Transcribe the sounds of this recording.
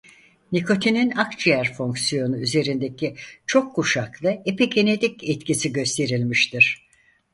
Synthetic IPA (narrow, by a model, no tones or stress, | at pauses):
nikʰo̞t̪ʰininakt͡ʃijæɾfo̞ŋksijo̞nuyze̞ɾind̪ecʰit͡ʃʰo̞kʰːuʃaklˠɯepicʰe̞ned̪icɛt̪cisiɟø̞st̪ʰe̞ɾilʲmiʃt̪ʰiɾ̥